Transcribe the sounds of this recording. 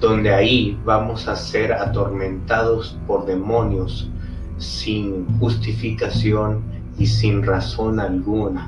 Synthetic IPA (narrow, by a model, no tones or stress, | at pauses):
d̪̥o̞nd̪eaiβamo̞saseɾat̪o̞ɾmẽ̞nt̪aðospo̞ɾðe̞mõ̞njosː | inxust̪ifikasjo̞n | isinraso̞nalɡuna